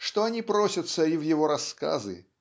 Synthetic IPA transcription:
ʂt̪ɔanʲipɾɔsʲɐt̪sːɐivjɪvɔɾaska̰zɨ̰

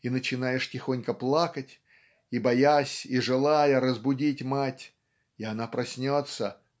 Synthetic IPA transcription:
inət͡ɕɪnajɪʂtʲɪxonʲkəplˠakətʲ | ibɐjasʲiʐɨlˠajəɾəzbʊdʲitʲmatʲ | ɪanapɾɐsʲnʲot̪sə

